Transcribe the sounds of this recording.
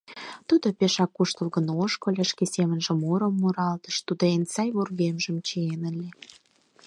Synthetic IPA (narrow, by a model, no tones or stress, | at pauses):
t̪ud̪opeʃɑkːuʃt̪əlɣə̆noʃkŏlʲĕʃkesemənʒĕmuɾə̆mːuɾɑlt̪ə̥̆ʃt̪ud̪oensɑjβorɣemʒə̆mt͡ɕeenə̆lʲe